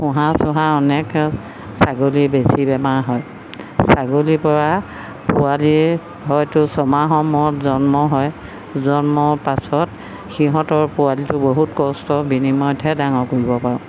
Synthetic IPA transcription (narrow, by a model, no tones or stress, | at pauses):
xʊ̃ɦãsʊɦãɔnɛk | saɡolibesibɛmaɦɔj | saɡolipɔɹa | pʊali | ɦɔjtʊsɔmaɦɔmɔɔtzɔnmɔɦɔj | zɔnmɔɹpasɔt | xiɦɔ̃tɔɹpʊwalitʊboɦutkɔstɔbinimɔjtʰɛdaŋɔkulibɔpaɹʊ̃